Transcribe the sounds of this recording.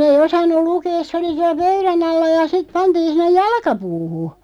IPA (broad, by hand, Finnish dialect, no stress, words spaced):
ei osɑnːu lukeːs̆ se oli siæl̆ pøyræn ɑlːɑ jɑ sit̆ pɑntiːn̞ sinˑej jɑlkɑpuːhu